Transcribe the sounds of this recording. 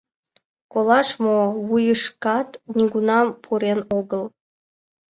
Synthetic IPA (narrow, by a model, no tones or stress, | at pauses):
kolˠɑʂmoβujɤʂkɑt̪nʲiɡunɑpʰuɾenoɡə̆lˠ